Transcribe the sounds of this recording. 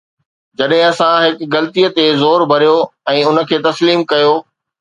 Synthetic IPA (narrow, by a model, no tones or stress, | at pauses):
d͡ʑɐɗɦɪ̃ɐsãɦɪkɡɐlt̪ijət̪ezoːɾbʱɐɾijoɛ̃ːʊnə̆kʰeːt̪ɐsliːmkɐjoː